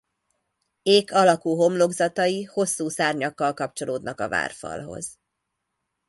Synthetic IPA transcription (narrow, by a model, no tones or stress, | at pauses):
eːkʰɒlɒkuːɦo̞mloɡzɒt̪ɒjiho̞sːuːsaːrɲɒkːɒlkɒp̚t͡ʃo̞loːd̪nɒkɒ̰va̰ːrfɒ̰lɦo̞̰z̥